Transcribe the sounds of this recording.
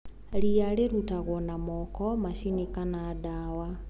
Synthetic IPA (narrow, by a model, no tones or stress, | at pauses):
ɾiaɾeɾutaɣwɔnamɔkɔmaʃinikanaːdawa